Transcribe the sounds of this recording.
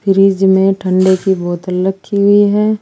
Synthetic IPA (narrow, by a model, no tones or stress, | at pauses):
pʰɪɾiːd͡ʒmẽʈʰə̃ɳɖekibɔːt̪ələkʰːiɦʊiɦɛː